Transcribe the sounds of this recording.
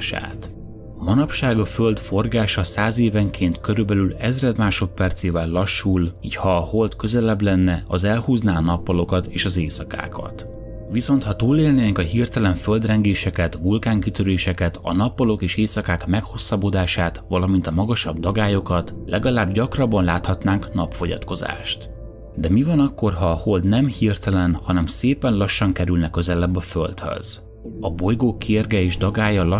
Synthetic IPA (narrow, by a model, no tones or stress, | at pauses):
ʃa̰ːt̪ | mɒnɒpʃaːɡɒfø̞ld̪fo̞rɡaːʃɒsaːzeːvɛŋkʰeːnt̪kø̞ɾybɛlylɛzrɛd̪maːʃo̞t̪pɛrt̪seːvɛlːɒʃːuliːchɒːho̞lt̪kø̞zɛlɛblɛnːɛɒzɛlhuːznaːɒnɒpːɒlo̞kɒt̪eːʃɒzeːsɒka̰ːkʰɒ̰t̪ | ʋiso̞nt̪hɒt̪uːleːlneːŋkɒɦirt̪ɛlɛɱføld̪rɛŋɡeːʃɛkɛt̪vulkaːŋkit̪øɾeːʃɛkɛt̪ɒ̰nɒpːɒlo̞keːʃeːsɒkaːkmɛkho̞sːɒbod̪aːʃaːt̪ʋɒlɒmint̪ɒmɒɡɒʃɒbd̪ɒɡaːjo̞kɒt̪lɛɡɒlaːbɟɒkrɒbːɒnlaːt̪hɒt̪naːŋknɒpfo̞ɟɒ̰t̪ko̞za̰ːʃt̪ | d̪ɛmivɒnɒkːo̞rɦɒːho̞ld̪nɛmhirt̪ɛlɛnhɒnɛmseːpɛnlɒʃːɒŋkɛɾylnɛkːø̞zɛlɛbːɒfølt̪hø̰z̥ | ɒbo̞jɡoːkʰːeːrɡɛeːʒd̪ɒɡaːjɒlɒ